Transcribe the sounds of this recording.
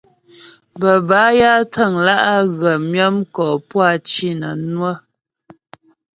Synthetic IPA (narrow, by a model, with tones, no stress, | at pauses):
bə˨ba˨˦ja˦tʰə˦˨ŋla˦ʔa˦ɣə˨mjə˦mkɔː˨pwa˦t͡ʃi˦nə̰˨nwə˦